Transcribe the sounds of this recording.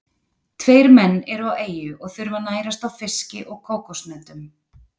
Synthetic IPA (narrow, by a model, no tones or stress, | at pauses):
t̪ʰveːjɾmɛnːɛɾaweːjʏʔɔɣθʏɾvanaːjɾast̪awfɪscɪ̰ʔɔɣkʰoːwkɔsnɛt̪ʏm